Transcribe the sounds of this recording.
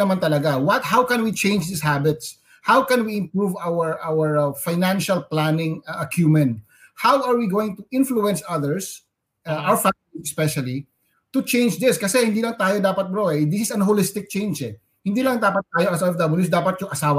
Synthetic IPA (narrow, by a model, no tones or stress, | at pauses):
ɐmant̪ɐlɐɡawɐt̪̚hawkɛ̃nwit͡ʃẽjnd͡ʒd̪ishabɪt̪s | hawkɛ̃nwiɪ̃mpɹuvawɛɹʔawɛɹfajnãnʃɐlplanɪŋʔɐkjuːmɛ̃nt̪̚ | hawɐɹwiɡoːwɪ̃ŋt̪ʊʔɪ̃nfluɛ̃nsɐðɛɹs | ʔʔafa | ɛspɛʃɐli | t̪ʊt͡ʃẽjnd͡ʒd̪ɪskɐsɛhɪnd̪iːlɐŋt̪aːjod̪aːpɐt̪̚bɾoɛd̪ɪsɪsɐnɦolɪst̪ɪk̚t͡ʃẽjnd͡ʒɛ | hɪnd̪iːlɐŋd̪aːpɐt̪̚ːaːjoʔɐsɛfd̪ɐbɐljusd̪aːpɐt̪̚jʊŋʔɐsaːwa